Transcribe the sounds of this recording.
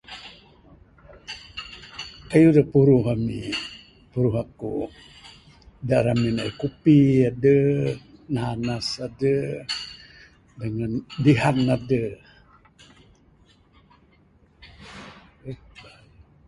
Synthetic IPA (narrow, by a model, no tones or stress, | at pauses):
ajudəhpuɾuɦamḭ | puɾuɦaku | daɾaminaikupiadə | naɦanasadə | dəŋandiɦanːadə | eba